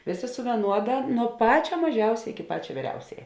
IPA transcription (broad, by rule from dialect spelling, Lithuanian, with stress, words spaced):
ˈʋʲeːˌsʲeː sʊ ʋʲiɛˈnuɔdɐ nuɔ ˈpɑːt͡ʃʲɛ mɐˈʒʲɛʊsʲɛ ɪkʲɪ ˈpɑːt͡ʃʲɛ ˈʋʲiːrʲɛʊsʲɛjɛ